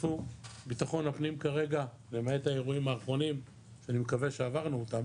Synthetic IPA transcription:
fubit̪aχo̞napnimkaʁe̞ɡa | lemaetaeʁuimaːχʁo̞nim | ʃeanimekaveʃeavaʁnuotam

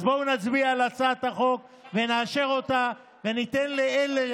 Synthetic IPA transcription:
bounat͡sbiaalat͡sat̪aχo̞k | veneaʃeʁo̞t̪a | ve̞nit̪enleele

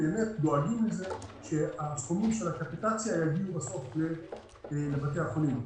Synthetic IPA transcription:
eemet̪̚do̞aɡimleze̞ʃeasχomimʃe̞lakapitat͡sjajaɡiubaso̞fle̞ | labat̪̬e̞jaχolim

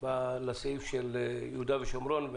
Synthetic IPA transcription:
balaseifʃeljehud̪aveʃomɾonv

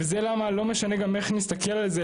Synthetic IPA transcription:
vezelamalo̞me̞ʃane̞ɡameχnist̪ake̞lalze

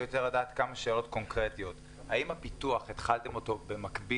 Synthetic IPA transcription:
joteʁladaːt̪kamaʃe̞ːlo̞t̪ko̞nkʁet̪ijo̞t̪ | haimhapit̪uaχet̪χalt̪e̞mo̞t̪o̞be̞makbi

